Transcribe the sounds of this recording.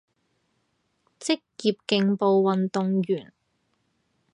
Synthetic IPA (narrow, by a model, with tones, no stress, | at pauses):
t͡sɪ˥k̚jiː˧p̚kɪ˧ŋpo˨˧wwɐ˨nt̪ʊ˨ŋjyː˨˩n